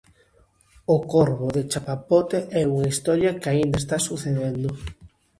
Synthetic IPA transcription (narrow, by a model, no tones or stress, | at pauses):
okoɾβoðet͡ʃapapot̪eʔɛuŋɐist̪ɔɾjɐkaind̪ɐest̪asuθeðend̪ʊ